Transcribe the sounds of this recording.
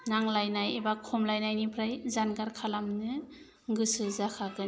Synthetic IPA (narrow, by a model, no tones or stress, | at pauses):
naŋlajnajebakʰɔmlajnajnipʰɾajzanɡaɾkʰalamnɯ | ɡɯsɯzakʰaɡɯn